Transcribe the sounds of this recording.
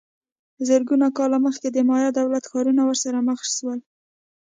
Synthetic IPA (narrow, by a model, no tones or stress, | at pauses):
əzəɾɡunakɑlaməxked̪əmɑjɑd̪awlat̪xɑɾunawəɾsaɾaməxʃwəl